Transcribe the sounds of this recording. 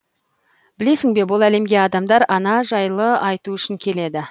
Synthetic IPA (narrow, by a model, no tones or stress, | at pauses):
bɪle̞sɪŋbe̞bʊlˠæle̞mɡʲe̞ɑd̪ɑmd̪ɑɾɑnɑʒɑjlˠəɑjt̪uʏʃɪŋkʲʰe̞le̞d̪ɪ